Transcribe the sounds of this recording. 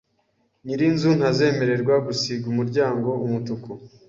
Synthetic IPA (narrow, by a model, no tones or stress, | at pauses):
ɲiɾinzun̥haze̞ːme̞ɾe̞ɾɡwaɡusiɡumuɾɟaːŋɡo̞ʔumutuko